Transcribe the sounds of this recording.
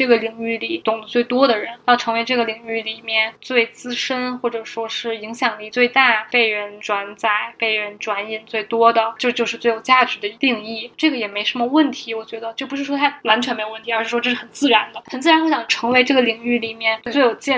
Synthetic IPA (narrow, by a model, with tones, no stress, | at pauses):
ʈ͡ʂɤ˥˩ɡə˩li˧˩˥ŋy˥˩li˨˩t̪ʊ˨˩ŋlə˧˦t͡swe˥˩ɪt̪wɔ˥d̪ə˨ɻə˧˥njɑ˥˩ʊʈ͡ʂʰɤ˧˥ŋwe˧˥ɪʈ͡ʂɤ˥˩ɡə˩li˧˩ŋy˥˩li˨˩mjɛ˥˩nt͡swe˥˩ɪt͡sɹ̩˥ʂə˥nxwɔ˥˩ʈ͡ʂɤ˨˩ʂwɔ˥ʂɻ̩˥˩i˧˥ŋɕjɑ˨˩ŋli˥˧t͡swe˥˧ɪt̪a˥˩pe˥˩ɪɻə˧˥nʈ͡ʂwa˧˥nt͡sa˥˩ɪpe˥˩ɪɻə˧˥nʈ͡ʂwa˧˥ni˨˩nt͡swe˥˩ɪt̪wɔ˥d̪ə˨˩t͡ɕjo˥˧t͡ɕjo˥˧ʊʂɻ̩˥˧t͡swe˥˩ɪjo˨˩ʊt͡ɕja˥˩ʈ͡ʂ̩˧˥d̪ə˧i˧˥t̪i˥˧ŋi˥˩ʈ͡ʂɤ˥˩ɡə˩jɛ˨˩me˧˥ɪʂə˧˥nmə˧wə˥˩nt̪ʰi˧˥wɔ˨˩t͡ɕɥɛ˧˥d̪ə˧t͡ɕjo˥˩ʊpu˧˥ʂɻ̩˥˩ʂwɔ˥t̪ʰa˥wa˧˥nt͡ɕʰɥɛ˧˥nme˧˥jwə˥nt̪ʰi˧ə˞˧˥ɻ̩˥˩ʂwɔ˥ʈ͡ʂɤ˥˧ʂ̩˥xə˨˩nt͡sɹ̩˥˩ɻa˧˥nd̪ə˧xxə˨˩nt͡sɹ̩˩a˧˥nxwɕɑ˨˩ʈ͡ʂʰɤ˧˥ŋwe˧˥ɪʈ͡ʂɤ˥˩ɡə˩li˨˩ŋy˥˩li˨˩mjɛ˥˩n˧we˥˩ɪjo˨˩ʊt͡ɕjɛ˥˧